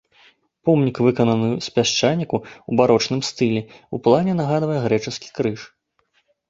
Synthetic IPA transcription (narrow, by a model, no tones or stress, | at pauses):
pɔmnʲikvɨkɐnɐnɨjspʲaʂt͡ʂanʲikuubaɾɔt͡ʂnɨmst̪ɨlʲɛuplˠanʲɛnaɣad̪vɐjɛɣɾɛt͡ʂɨskʲi̥kɾɨʂ